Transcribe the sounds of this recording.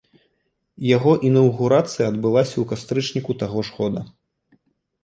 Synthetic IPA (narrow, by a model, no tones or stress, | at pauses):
jaɣɔʔinɐwɣuɾat̪sɨjɐɐd̪bɨlˠasʲɐukast̪ɾɨt͡ʂnʲikut̪aɣɔʂxɔd̪ɐ